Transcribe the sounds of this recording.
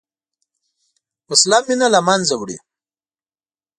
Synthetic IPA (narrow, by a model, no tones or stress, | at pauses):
uslamːinalamanzawɽḭ